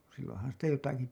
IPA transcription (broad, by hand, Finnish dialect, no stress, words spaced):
silːõːhɑn sitæ jotɑki